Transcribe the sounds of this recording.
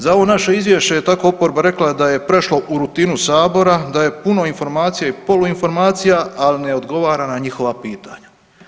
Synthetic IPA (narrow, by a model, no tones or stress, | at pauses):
zaoʋo̞naʃeizʋje̞ʃt͡ɕejet̪ako̞opo̞ɾbaɾe̞klad̪aje̞pɾe̞ʃlo̞ʔuɾut̪iːnusaːbo̞ɾad̪aje̞puno̞info̞ɾmaːt̪sijaipo̞luinfo̞ɾmaːt̪sijaaline̞o̞d̪ɡo̞ʋaːɾanaɲixo̞ʋapiːt̪aɲa